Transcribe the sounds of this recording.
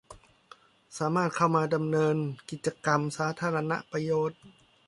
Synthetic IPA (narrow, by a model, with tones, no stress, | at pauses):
saː˩˦maː˥˩t̪̚kʰa˧˥˩wmaː˧da˧mnɤː˧nki˨˩t̪̚t͡ɕa˧ka˧msaː˩˦˥t̪ʰaː˧ɾa˧na̰˦˥ʔpɾa˧joː˨˩t̪̚